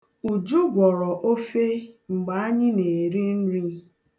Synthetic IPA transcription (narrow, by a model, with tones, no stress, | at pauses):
u˨d͡ʒo˦ɡʷɔ˨ɾɔ˨ʔo˦fe˦ŋ͡m̩˨ɡ͡ba˨a˦ɲɪ˦ne˨ɾi˦n̩˦ɾi˦